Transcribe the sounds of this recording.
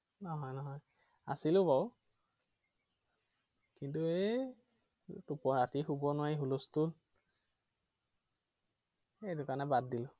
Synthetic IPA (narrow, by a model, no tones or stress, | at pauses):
nɔɦɔjnɔɦɔj | asilʊbaw | kintue | tupɔɹatixubɔnʊwaiɦulustul | edʊkanɛbad̚dilʊ